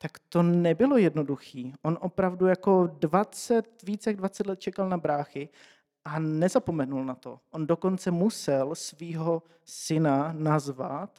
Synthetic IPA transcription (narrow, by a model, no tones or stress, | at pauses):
t̪akt̪o̞nɛbɪlo̞jɛdno̞duxiːʔonʔopɾavdujako̞dvat͡sɛt̪viːt͡sjaɡdvat͡sɛt̪lɛt̪̚t͡ʃɛkalnabɾaːxɪ | ʔanɛzapo̞mɛnulnat̪o̞̰ʔondoko̞nt͡sɛmusɛlsviːɦo̞ | sɪnanazvat̪